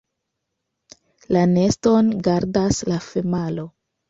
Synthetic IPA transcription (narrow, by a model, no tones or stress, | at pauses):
lane̞sto̞nɡaɾdaslafemalo̞